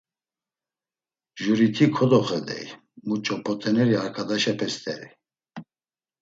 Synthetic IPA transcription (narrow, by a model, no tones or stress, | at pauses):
ʒuɾit̪ʰikʰɔd̪ɔχɛd̪ɛ̰j | mut͡ʃʼɔpʰɔt̪ʰʼɛnɛɾiaɾkʰad̪aʃɛpʰɛst̪ʰʼɛ̰ɾḭ